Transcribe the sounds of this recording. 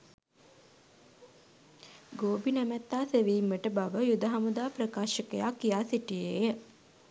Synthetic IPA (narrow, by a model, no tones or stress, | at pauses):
ɡoːbinæmæt̪ːaːseʋiːmːəʈəbaʋəjud̪əɦamud̪aːprəkaːʃəkəjakːijaːsiʈijeːjə